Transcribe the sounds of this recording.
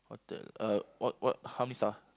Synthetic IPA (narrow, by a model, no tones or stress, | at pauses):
ɔ̰tɛ̰awɔt̚wɔt̚hawmɛ̃nisa